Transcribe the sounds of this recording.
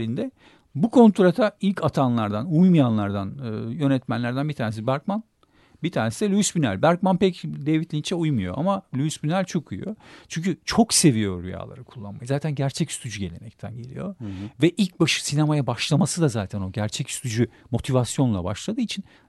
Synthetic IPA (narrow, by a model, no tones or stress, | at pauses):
lʲind̪ɛ | bukʰo̞nt̪ʰɾat̪ʰailʲcat̪ʰanlˠaɾd̪anujmajanlˠaɾd̪anɯjø̞nɛt̪mænlʲæɾd̪ænbit̪ʰaːnesibæɾk̚man | bit̪ʰaːnesid̪ɛlʲyysbynæ̰lʲbæɾk̚manpɛcd̪evit̪lʲint͡ʃʰɛujmujo̞̰ʔamalʲyysbynælʲt͡ʃʰo̞kʰuj̰jo̞t͡ʃʰyɲʲcʰyt͡ʃʰo̞kse̞vijo̞ɾyja̰ːlˠa̰ɾɯkʰu̥lˠːa̰nmajzaːt̪ʰænɟæɾt͡ʃʰɛcsy̥t̪ʰyd͡ʒyɟe̞lʲe̞mɛct̪ʰænɟe̞lʲḭjo̞̰vɛʔilʲc̚baʃɯ̥sinemajabaʃlˠamasɯd̪azaːt̪ʰæno̞ɟæɾt͡ʃʰɛcsy̥t̪ʰyd͡ʒymo̞t̪ʰivasjo̞nlˠa̰ba̰ʃlˠad̪ɯːit͡ʃʰin